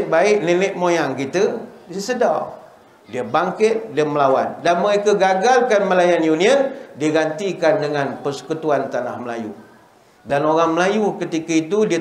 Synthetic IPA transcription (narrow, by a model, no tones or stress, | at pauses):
baɪʔnilɪʔmojaŋkit̪ədiəsəda̰ | diəbaŋkɪt̪̚diəməlawa̰ndanməɾekəɡaɡalkanməlajanjuniəndiəɡant̪ikandəŋanpərsə̥kut̪uant̪ana̰hməla̰jṵ | danoɾaŋməlajukət̪ikəit̪udiə